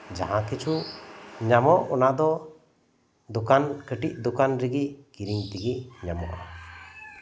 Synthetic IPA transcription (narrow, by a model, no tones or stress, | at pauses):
d͡ʒa̰ɦãkit͡ʃʰu | ɲamɔʔɔnaʔd̪ɔ | d̪ɔkankəʈiʔd̪ukanɾiɡiʔkiɾiŋt̪iɡiʔɲamɔ̰ʔa̰